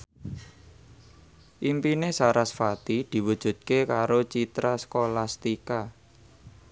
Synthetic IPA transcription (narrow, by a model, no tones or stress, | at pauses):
ʔimpinesaɾasfat̪id̪̥i̤wud̥ʒ̥ṳd̪̚kekaɾot͡ʃit̪ɾaskolast̪ika